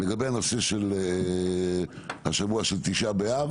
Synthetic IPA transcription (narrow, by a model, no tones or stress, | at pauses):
leɡabejanose̞ʃele | haʃavuaʃelt̪iʃabeav